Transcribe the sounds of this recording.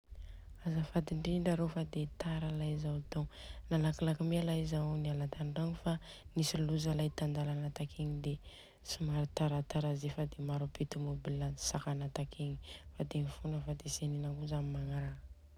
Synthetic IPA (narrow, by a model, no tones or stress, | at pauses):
azafad̪iɳɖ͡ʐiɳɖ͡ʐaɾofad̪et̪aɾalazawt̪onalakilakimialaizaonialat̪aɳɖ͡ʐaŋifa | nisiluzalajt̪and̪alanat̪akʰeɲid̪e | sumaɾit̪aɾat̪aɾazefad̪emaɾupet̪umobilḁsakanat̪akʰeɲifad̪emifunəfad̪eseninakuzamimaŋaɾa